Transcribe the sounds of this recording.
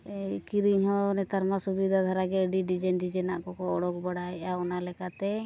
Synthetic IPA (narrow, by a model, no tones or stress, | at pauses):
kiɾiɲɦɔnɛt̪aɾmasubid̪ʱad̪ʱaɾaɡɛəɖiɖid͡ʒɛnɖid͡ʒɛnaʔkɔkɔɔɽɔk̚baɽaɛaɔnalɛkat̪ɛ